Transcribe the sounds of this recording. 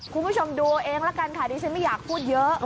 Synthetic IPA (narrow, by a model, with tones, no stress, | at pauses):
kʰu˧nbuː˥˩t͡ɕʰo˧mduː˧ʔeː˧ŋla˦˥ka˧nt̪ʰaː˨˩diː˧˩t͡ɕʰa˦˥nma˥˩jaː˨˩k̚pʰuː˥˩t̪̚jɤ˦˥